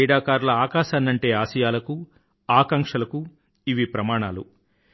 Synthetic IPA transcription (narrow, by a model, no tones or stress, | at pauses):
ɛːɽaːkaːɾlɐaːkaːʃaːnːɐɳʈe̞ːaːʃɐjaːlɐku | aːkɐŋʂɐlɐku | iʋipɾɐmaːɳaːlṵ